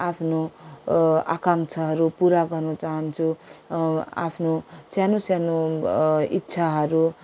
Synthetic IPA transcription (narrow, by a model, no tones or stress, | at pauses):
apʰno | akaŋt͡sʰʌɦʌɾupuɾaɡʌrnʌt͡saɦʌnt͡sʰu | a̰pʰnosjanosjano | itːsʰaɦʌɾu